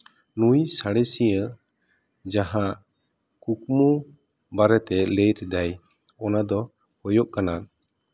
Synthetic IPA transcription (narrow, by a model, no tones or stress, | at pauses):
nujsaɽɛsijə | d͡ʒaɦaʔ | kukmu | baɾɛt̪ɛlejɾɛd̪aj | ɔnad̪ɔ | hɔjɔʔkana